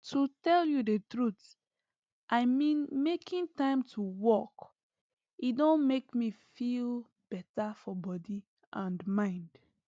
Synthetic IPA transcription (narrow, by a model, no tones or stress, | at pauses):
tʰutɛljudətɹut | ʔaɪmĩnmekʰĩntãɪ̃mtʰuwɔk | idõnmekmifil | b̥ɛtafɔbɔdi | ʔãnmãɪ̃nd̥